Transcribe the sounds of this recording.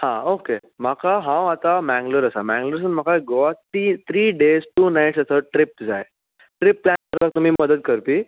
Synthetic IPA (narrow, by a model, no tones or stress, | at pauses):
hã̰okem̤akaɦãwat̪amæ̃ŋɡləɾəsamæ̃ŋɡləɾs̬ənm̤akaɡoʋat̪it̪ʰɾiːɖezʈuːnajʈsəsəʈɾɪp̚d͡zaj | ʈɾɪpːlæɳkəɾbak̚t̪um̤iːməd̪əd̪kəɾpiː